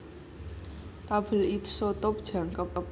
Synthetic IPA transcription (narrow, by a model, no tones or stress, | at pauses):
t̪abə̤lit̪ʰsot̪op̚d̥d͡ʒa̤ŋkəpəp